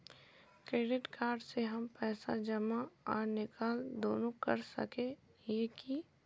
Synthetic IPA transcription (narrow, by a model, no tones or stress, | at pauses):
kɾeːɖɪʈkaːɾɖseɦɐmpɛːsa̰d͡ʒɐmaɔːɾnɪkʰaːld̪oːnõkɐ̰ɾsɐ̰kẽ | jeːki